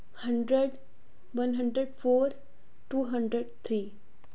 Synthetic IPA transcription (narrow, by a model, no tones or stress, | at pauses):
həɳɖɾəɖ | ʋənɦəɳɖɾəɖfoɾ | ʈuːɦəɳɖɾəɖt̪ʰɾiː